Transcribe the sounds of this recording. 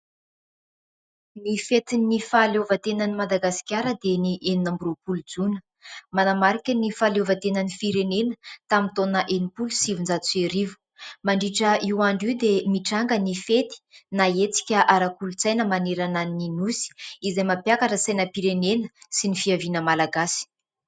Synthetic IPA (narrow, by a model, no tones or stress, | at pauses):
nifet̪inifaleovət̪enənimad̪aɡasi̥kʲaɾəd̪eniʔeninambɾupulud͡zunə̥ | manamaɾikʲənifalovət̪enənifiɾenenət̪amint̪onəʔenipulusivund͡zat͡seɾivu̥ | maɳɖ͡ʐiʈ͡ʂəiwaɳɖ͡ʐiwd̪emiʈ͡ʂaŋɡənifet̪i̥naet͡si̥kʲəʔaɾakulut͡sajnəmaneɾananininusi̥izajmapjakaʈ͡ʂəsajnəpiɾenenəsinifiavinəmalaɡasi̥